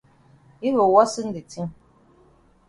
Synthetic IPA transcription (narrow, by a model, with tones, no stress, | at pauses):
i˦βə˨wɔ˦sɨ˦n̩˦di˨ti˦ŋ